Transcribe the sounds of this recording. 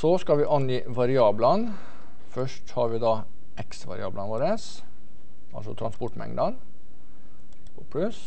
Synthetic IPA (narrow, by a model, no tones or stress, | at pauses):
sɔskɑʋɪʔɑnjiːʋɑɾɪɑːblɑn | fœʂʈhɑɾʋɪd̪ɑː | ɛksʋɑ̰ɾɪ̰ɑ̰ːblɑnʋoːɾəs | ɑ̰lsɔt̪ʰɾɑnspɔʈmɛ̰ŋd̪ɑn | pɔpʰlʉs